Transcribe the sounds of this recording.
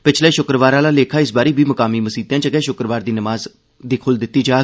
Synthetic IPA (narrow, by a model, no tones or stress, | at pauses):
pɪt͡ʃʰlɛːʃʊkɾəʋaːɾaːlaːleːkʰaːɪsbaːɾiːbiːməkaːmiːməsiːt̪jãːt͡ʃəɡɛːʃʊkɾəʋaːɾd̪iːnəmaːz | d̪iːkʰʊld̪ɪt̪ːiːd͡ʒaː